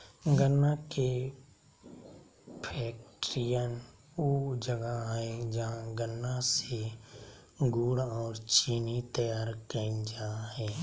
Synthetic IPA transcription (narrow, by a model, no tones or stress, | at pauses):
ɡənːake | pʰɛːk̚ʈɾijən | oːd͡ʒəɡaɦɛd͡ʒaãɡənːase | ɡuːɽɔːɾt͡ʃiːnit̪əjaːɾkə̃d͡ʒaɦɛː